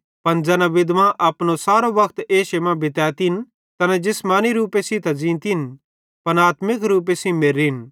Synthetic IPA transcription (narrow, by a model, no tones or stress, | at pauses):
pɐnd͡ʒɛːnãʋɪd̪mãʔɐpnosaːɾobɐkʰt̪eːʃemãbɪt̪ɛːt̪in | t̪ɐnɛd͡ʒɪsmãːniɾuːpesĩt̪ʰazĩːnt̪in | pɐnaːt̪mɪkɾuːp̬esĩmeɾin